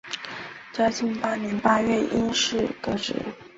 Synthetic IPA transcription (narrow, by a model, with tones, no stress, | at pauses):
t͡ɕɑ˥t͡ɕi˥˩ŋpa˥njɛ˧˥npa˥ɥɛ˥˩ʔi˥nʂɻ̩˥˩kɤ˥˩ʈ͡ʂɻ̩̰˨˧˩